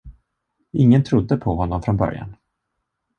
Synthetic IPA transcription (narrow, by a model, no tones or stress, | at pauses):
ɪŋːənt̪ʰɾʊd̪ːəpʰɔɦɔnːɔmfɾɔnbœ̰ɾja̰n